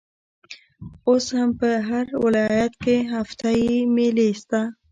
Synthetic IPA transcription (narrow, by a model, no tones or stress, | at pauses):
ʊshampəɦaɾwɪlɑːjat̪keɦaft̪aimelest̪a